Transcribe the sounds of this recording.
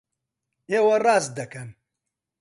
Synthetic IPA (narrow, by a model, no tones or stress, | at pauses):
eːwɐraːs̚d̪ɐkɐn